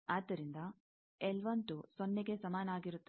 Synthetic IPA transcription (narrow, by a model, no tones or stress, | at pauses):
aːd̪ːɐɾind̪ɐ | elʋɐnt̪usonːeɡe̞sɐmaːnɐaːɡiɾut̪ː